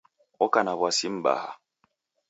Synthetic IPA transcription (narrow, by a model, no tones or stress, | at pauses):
ɔkanaβwasim̩ɓa̰ha̰